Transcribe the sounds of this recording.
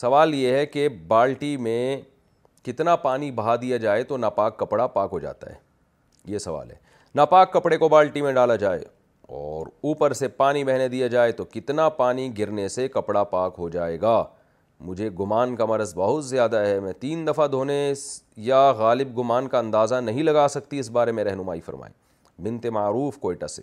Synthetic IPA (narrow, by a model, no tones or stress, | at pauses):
sɐʋaːljeɦɛkebaːlʈimẽ | kɪt̪napaːnibɐɦad̪ijad͡ʒaːet̪onapaːkːɐpɽapaːkɦod͡ʒa̰ːt̪a̰ɦɛ̰ː | jesɐʋa̰ːlɦɛ̰ | napaːkːɐpɽekobaːlʈimẽɖaːlad͡ʒaːḛ | ɔːɾuːpəɾsepaːnibɛɦned̪ijad͡ʒaːet̪okɪt̪napaːniɡɪɾnesekɐpɽapaːkɦod͡ʒaːeːɡaː | mʊd͡ʒʱeɡʊmaːnkamɐɾəzbɐɦʊt̪zjaːd̪aɦɛmɛ̃t̪iːnd̪ɐfad̪ʱoːnesjaɣaːlɪb̚ɡʊmaːnkaɐ̃nd̪aːzanɐɦĩlɐɡaːsɐkt̪iɪsbaːɾemẽɾɛɦnʊmaːifɐ̰ɾma̰ːḭ | bɪ̃nt̪emaːɾuːfkoːɪʈa̰seː